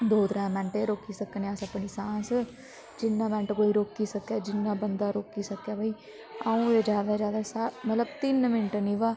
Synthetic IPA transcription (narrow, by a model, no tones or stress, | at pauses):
d̪oːt̪ɾãːmɛ̃ːɳʈeːɾoːkiːsəkːneasəpːɳiːsãːs | d͡ʒɪnːãːmɛ̃ːɳʈkoːiːɾoːkːiːsəkːjaːd͡ʒɪnːãːbənd̪aːɾoːkiːsəkːaːbʱaiː | aːũːed͡ʒjaːd̪aːd͡ʒjaːd̪aːsaːmət̪ləbt̪ɪnmɪnʈniːʋaː